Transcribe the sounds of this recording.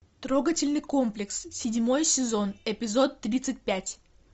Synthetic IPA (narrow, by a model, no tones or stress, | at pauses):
t̪ɾoɡətʲɪlʲnɨjko̞mplʲɪkssʲɪdʲmo̞jsʲɪzo̞nɪpʲɪzo̞t̪ːɾʲit̪sɨt̚ʲpʲætʲ